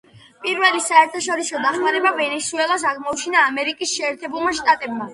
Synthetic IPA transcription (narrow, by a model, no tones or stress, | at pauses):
pʼiɾvɛlisaɛɾt̪ʰaʃɔɾisɔd̪aχmaɾɛbavɛnɛsuɛlˠas̬aʁmɔut͡ʃʰinaːmɛɾikʼisʃɛːɾt̪ʰɛbulˠmaʃt̪ʼat̪ʼɛbma